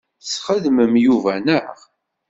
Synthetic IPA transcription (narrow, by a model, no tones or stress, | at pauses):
sχəðməmjuvænəʁ